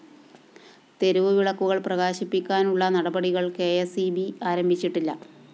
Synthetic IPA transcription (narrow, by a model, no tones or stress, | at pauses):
t̪e̞ɾuʋɨʋiɭɐkːuɣɐɭprɐɣaːɕipːikʲːaːnuɭːɐnɐɽɐbɐɽiɣɐɭke̞ːesibiaːɾɐmbʱit͡ɕːiʈːilːɐ